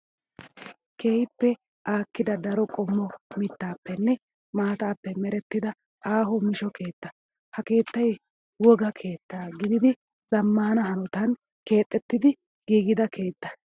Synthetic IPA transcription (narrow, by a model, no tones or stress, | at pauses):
kʰeːjɪpːɛ | ʔaːkːɪd̪ɐd̪ɐɾɔkʼɔmːɔmɪt̪ːaːpːɛnːɛ | maːt̪aːpːɛmɛɾɛt̪ːɪd̪ɐ | aːɦɔmɪʃɔke̞ːt̪ːɐ | hɐke̞ːt̪ːɐj | wɔɡɐkʰe̞ːt̪ːaɡɪd̪ɪd̪ɪ | z̥ɐmːɐhɐnɐɦɐnɔt̪ɐn | ke̞ːt̪ʼːɛt̪ːɪd̪ɪ | ɡiːɡɪd̪ɐkʰe̞ːt̪ːɐ̥